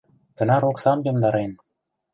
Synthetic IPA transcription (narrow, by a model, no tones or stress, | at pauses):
t̪ɤ̆nɑɾoksɑmjɤ̆md̪ɑɾen